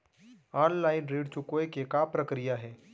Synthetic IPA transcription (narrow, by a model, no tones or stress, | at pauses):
aːnlaːɪnɾeːɽt͡ʃʊkoekekapɾɐkɾijaɦɛː